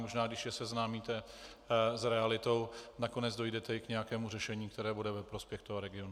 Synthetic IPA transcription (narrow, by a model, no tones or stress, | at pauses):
moʒnaːɡdɪʃjɛsɛznaːmiːt̪ɛ | zɾɛalɪt̪o̞wnako̞nɛd͡zdo̞jdɛt̪ɛɪkɲɛjakɛːmurɛʃɛɲiːk̚t̪ɛɾɛːbudɛvɛpɾo̞spjɛxt̪oɦoɾɛɡɪo̞nu